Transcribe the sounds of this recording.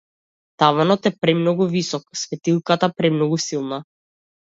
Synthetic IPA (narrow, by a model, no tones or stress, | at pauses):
t̪avanɔt̪ɛpɾɛmnɔɡuvisɔksvɛt̪ilˠkat̪apɾɛmnɔɡusilˠna